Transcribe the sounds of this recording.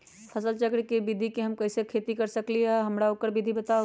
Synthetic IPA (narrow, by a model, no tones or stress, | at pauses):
pʰɐsəlt͡ʃəkɽkebɪd̪ʱikeɦɐmkɐɪsekʰeːt̪ikɐɾsəkliɛɦɐmɾaokəɾbɪd̪ʱibət̪a